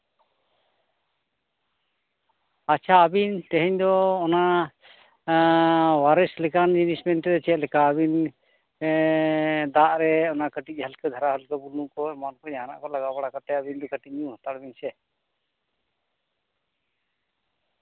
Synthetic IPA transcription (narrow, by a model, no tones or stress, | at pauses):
at͡ʃʰaːbint̪ɛɦɛɲd̪ɔːna | waɾɛslɛkand͡ʒunismɛnt̪ɛd̪ɛt͡ʃɛt̪lɛkaːβin | d̪aʔɾɛɔnakəʈic̚ˀhəlkəd̪ʱaɾaɦəlkabulukɔmankɔɲaɦana̰ʔkɔlaɡabaɽakat̪ɛabind̪ɔkəʈic̚ɲũhat̪aɽbinsɛ